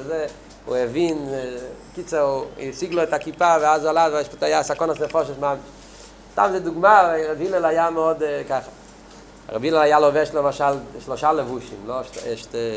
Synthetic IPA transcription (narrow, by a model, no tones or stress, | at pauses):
ze | ṵɛvin | kit͡səisiɡlˠoɛtakipavɪazalatvaʃpotajasakɔnasmefɔʃ̬eʃmamɪʃ | ʃta̰mzeduɡmavaʁɛbjilɛlajamɔdkaχa | a̰ʁɛbjilɛlajalovɛʃtlmaʃalʃloʃalɛvuʃimloʃtɛʃt